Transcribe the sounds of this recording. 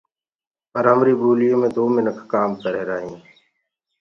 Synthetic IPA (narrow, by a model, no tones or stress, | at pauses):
pəɾɦəmɾiːbuːlɪjõːmẽːd̪oːmɪnəkʰːaːmkəɾeːɾaːɦĩː